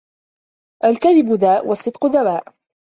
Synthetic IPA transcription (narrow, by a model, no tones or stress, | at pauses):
ʔalkaðɪbʊðaːʔwʔɑsˤːɨd̪qʊd̪awaːʔ